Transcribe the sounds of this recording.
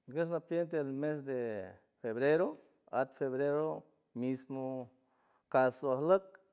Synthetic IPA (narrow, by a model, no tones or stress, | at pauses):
ɡes̬napjent̪̬elmes̬d̪e | feβɾeɾo | a̰t̪feβɾeɾo | mismo | kasoahlək̚